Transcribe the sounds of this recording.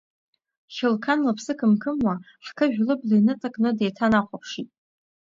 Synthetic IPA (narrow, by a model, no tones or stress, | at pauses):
χʲɪlkʰanlapʰsɨkʰɨmkʰɨmwa | ħkʰɨʒᶣlɨblinɨtʼakʼnɨdejtʰanaqʷʼapʰʂitʼ